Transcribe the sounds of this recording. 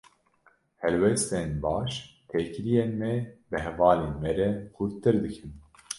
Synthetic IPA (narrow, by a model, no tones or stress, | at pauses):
hɛlwɛst̪enbɑːʃ | t̪ʰeːkɾijeːnmɛbɨhɛvɑːleːnmɛɾɛxʰuɾt̪ɨɾd̪ɨkʰɨn